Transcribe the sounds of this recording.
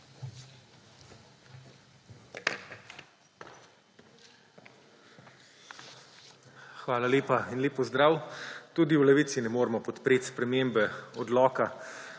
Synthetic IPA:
xʋaːlaleːpainleːpːɔzd̪ɾaːwt̪uːd̪iwlɛʋit̪sinɛmoːɾmɔpɔt̪pɾeːt̪spɾɛmembɛɔd̪lɔːka

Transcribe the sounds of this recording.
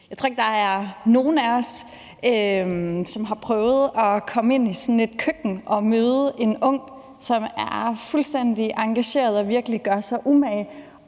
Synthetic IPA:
jɑɪ̥t͡sʰo̰ɐeɡ̥̚d̥ɑ̈æɐno̝ːn̩æɒ̽s | ømsɒ̽mɦɑ̈pʰʁœːʊð̞̩ˠɒ̽kʰɒ̽me̝n̰isɒnle̝d̥kʰøɡ̥n̩ʔɒ̽møːðˠəʔe̝nɔ̽ŋ̰ | sɒ̽mæɐfulsd̥en̰d̥iʔɑ̈ŋɡ̥æɕe̝̰ːɐð̞̩ˠɒ̽ʋiɐɡ̥əliɡ̥ɶɐsɑ̈ɪʔumɛ

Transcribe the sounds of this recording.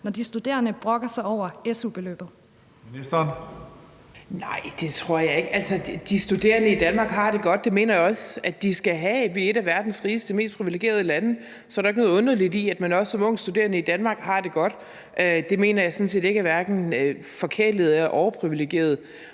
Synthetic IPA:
nɒd̥isd̥ud̥e̝̰ːɐnəb̥ʁɔ̽ɡ̥ɐsɑ̈ɪɒʊ̰ɐesub̥e̝lø̰ːb̥ð̩ˠ | esd̥ɐn | nɑ̈ɪ̰d̥e̝t͡sʰʁo̝ɐ̰jɑ̈e̝ɡ̥ælsəd̥isd̥ud̥e̝̰ːɐnəid̥ænmɑ̈ːɡ̥ɦɑ̈d̥e̝ɡ̥ɒ̽d̥̚ːe̝me̝̰ːnɐjɑ̈ɒ̽sæd̥isɡ̥æɦæʋe̝e̝dɾæʋæɐd̥n̩sʁiːsd̥d̥e̝me̝ːsd̥̚pʰʁiʋile̝ɡ̥e̝̰ːɐð̞ˠəlænə | sɒ̽æɾɑeɡ̥nɔ̽ːð̩ˠɔ̽nɐlidiæd̥mænɒ̽ssɒ̽mɔ̽ŋ̰̥sd̥ude̝ːɐnəid̥ænmɑ̈ɡ̥hɑ̈d̥e̝ɡ̥ɒ̽d̥ | ʔød̥e̝me̝̰ːnɐjɑ̈ɪsɔ̽n̩se̝̰ːd̥e̝ɡ̥æʋæɐd̥n̩ø | fɒ̽kʰeɐd̥leð̩ˠæɐʔɒʊɐpʰʁiʋileɡ̥je̝̰ːɐðˠ

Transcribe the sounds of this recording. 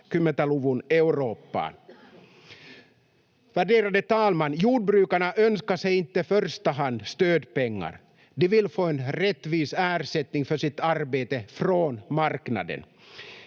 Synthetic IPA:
kɵmːɛt̪aluvʊnɛʉɾoːpːa̰n | væɖeːɾad̪ət̪ʰɑːlmanːjuːɖ̚bɾʉːkaɳaʔœnskaʂɛjɪnt̪ːəfœɾst̪aɦand̪st̪øːd̪pɛŋːa̰ɾ | d̪ɛvɪlfoːɛnɾɛt̪ːviːsæːɾʂɛt̪nɪŋfœʂɪt̪aɾbeːt̪əfɾoːnmaɾkna̰d̪ə̰n

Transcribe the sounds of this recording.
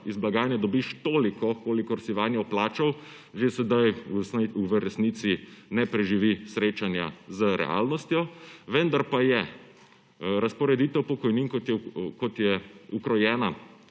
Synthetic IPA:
izblaɡaːnjɛd̪ɔbiʃt̪oːlikɔkoːlikɔɾsiʋaːnjɛplaːt͡ʃɔw | ʒesɛd̪ajsiuʋəɾɛsnit̪sinɛpɾɛʒiʋisɾeːt͡ʃanja̰zəɾɛ̰ʔa̰ːlnɔst̪jɔʋɛnd̪aɾpajɛ | ɾaspɔɾɛd̪iːt̪ɛwpɔkɔjninkɔt̪ɛkɔt̪jɛukɾɔjɛːna

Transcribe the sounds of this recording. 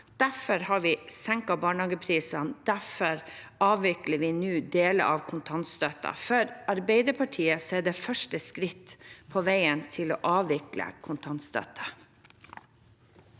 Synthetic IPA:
d̪̥æfɔɾhɑɾʋɪsɛŋkɑbɑːɳhɑːɡəpʰɾiːsɑnd̪̥æfɔɾɑːʋʋɪkləʋɪːnʉːd̪eːlə̰ʔɑʋkʰʊnt̪ʰɑnt̪st̪øt̪ɑ̰fœɾɑɾbeɪd̪əpʰɑʈʰiːəseːd̪eːfœʂʈəskɾɪt̪ːpʰoʋæɪənt̪ʰɪlo̰ːʔɑːʋʋɪklə̰kʰʊnt̪ʰɑnt̪st̪œ̰t̪ʰɑ

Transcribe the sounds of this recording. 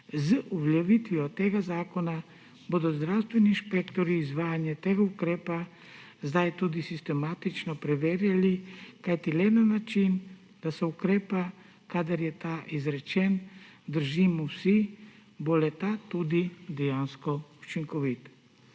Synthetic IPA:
zəʔuʋljɛʋit̪ʋiɔt̪eɡazaːkɔna | bod̪ɔzd̪ɾawst̪ʋɛniːnʃpɛkt̪ɔɾiːzʋaːjanjɛt̪eɡaukɾɛːpa | zd̪ajt̪ud̪isist̪ɛmat̪it͡ʃnɔpɾɛʋeːɾjalikajt̪ilɛnanat͡ʃin | d̪̥asɛukɾɛːpa | kad̪aɾjɛt̪aʔizɾɛt͡ʃɛn | d̪əɾʒimusibolɛt̪at̪ud̪id̪ɛjanskɔut͡ʃiŋkɔʋit̪

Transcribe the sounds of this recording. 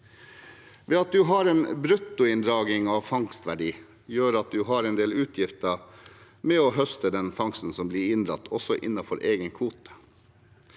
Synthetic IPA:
ʋeːɑt̪̚d̪ʉɦɑːɾɛːnbɾʉt̪ːʊɪnd̪ɾɑːɡɪŋɑʋfɑŋst̪ʋæɖiː | jøːɾɑt̪̚d̪ʉɦɑːɾɛnd̪eːlʉːt̪ʰjɪft̪ə | mɛoɦœst̪əd̪ɛnfɑŋst̪n̩sɔmbliːɾɪnd̪ɾɑt̪ːʰɔsɔʔɪ̰nːɑfɔɾʔeːɡənkʰʋuːt̪

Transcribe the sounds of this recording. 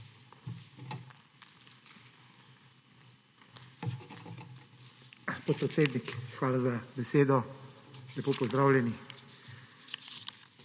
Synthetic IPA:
poːt̪̚pɾɛt̪seːd̪nikxʋaːlazabɛseːd̪ɔ | lɛpoːpɔzd̪ɾaːwlʲjɛnix

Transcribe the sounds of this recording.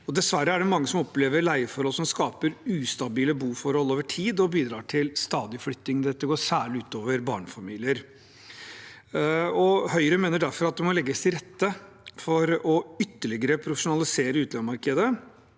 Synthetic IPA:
ɔd̪ɛsʋæɾəæɖɛmɑŋːəsɔmɔpleːʋəɾɭæɪəfɔɾhɔlsɔmskɑːpəɾʉːst̪ɑbiːləbuːfɔɾhɔlːoːʋəʈʰiːd̪ɔbiːd̪ɾɑːʈʰɪlst̪ɑːd̪ɪəflʏt̪ːɪŋd̪ɛt̪ːəɡoːʂæːɭɪʉːt̪oːʋəɾbɑ̰ːɳəfɑmiːlɪəɾ | ɔhœʏɾəmeːnəɖæɾfɔɾɑt̪̚d̪ɛmɔlɛɡːəst̪ʰɪɾɛt̪ːə | fɔɾɔʏt̪ːəɭɪɡəɾəpʰɾʊfəʂʊnɑlɪseːɾəʉːt̪lɑnmɑɾkəd̪ə

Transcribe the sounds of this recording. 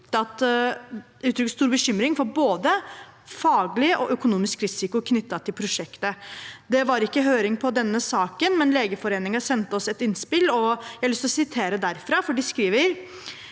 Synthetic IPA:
ɑt̪ | ʉːt̪ʰɾʏkːəst̪uːɾbəɕʏmɾɪŋfɔɾboːd̪əfɑːɡlɪəʔɔʔœkʊnuːmɪskɾɪsɪkʊkʰnʏt̪ːɑt̪ʰɪlpʰɾʊʂɛkt̪əd̪ɛʋɑɾɪkːəɦøːɾɪŋpʰɔd̪ɛnːəsɑːkənmɛnleːɡəfɔɾeːnɪŋɑsɛnt̪əɔsɛt̪ɪnspɪlɔjæɪɑlʏst̪lɔsɪt̪ʰeːɾəd̪æɾfɾɑːfɔɖɪskɾiːʋəɾ

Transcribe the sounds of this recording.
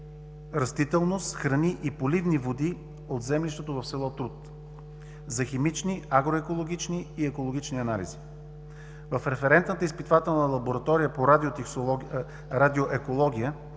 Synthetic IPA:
ɾɐst̪it̪ɛlˠnost̪xɾɐniʔipolivnivod̪i | od̪zɛmliʃt̪ɛt̪ovɐfsɛlˠɔt̪ɾut̪ | zɐximit͡ʃniaɡɾoɛkolˠoɡ̟ʲit͡ʃniːɛkolˠoɡ̟ʲit͡ʃniɐnalḭzi | vəfɾɛfɛɾɛnt̪nət̪əispit̪vat̪ɛlˠnəlˠɐboɾɐt̪ɔɾijəpoɾad̪ot̪ɛ | ɾad̪ioʔɛkolˠɔɡʲijə

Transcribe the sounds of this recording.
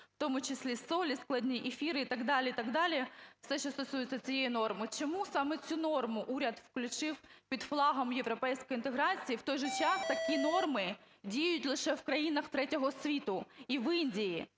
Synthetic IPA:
ft̪ɔmʊt͡ʃɪsʲlʲisolʲisklˠɐdʲnʲiʔefʲiɾɪit̪ɐɡd̪ɑlʲɪit̪ɐɡd̪ɑlʲɪfsɛʃʲɔst̪ɔsujʊt̪ʲt͡sʲːɐt͡sʲijejinɔrmɪt͡ʃɔmusɑmɛt͡sʲunɔrmʊʔuɾʲɐd̪fklʲʊt͡ʃɪwpʲid̪flˠɑɦɐmjeʋɾɔpɛjsʲkɔjint̪eɦɾɑt͡sʲijiwt̪ɔjʒɛt͡ʃɑst̪ɐkʲinɔrmɪ | dʲijjʊtʲlˠɪʃɛwkɾɐjinɐxt̪ɾɛtʲɔɦɔsʲʋʲit̪ʊiʋɪnʲdʲiji

